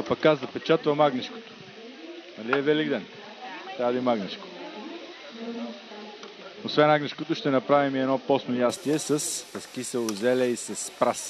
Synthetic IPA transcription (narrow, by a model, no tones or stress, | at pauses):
ɐpɐkːazd̪ɐpɛt͡ʃat̪vɐmaɡnɛʃko̥t̪o̥ | nɐliɛvɛliɡd̪ɛn | t̪ɾavɐd̪ɐimaɡnɛʃko̥ | osvɛnaɡnɛʃkot̪ʊʃt̪ɛnɐpɾavimiɛd̪nɔpɔsnojast̪iɛsəsɐskisɛlˠʊzɛlɛisɐspɾas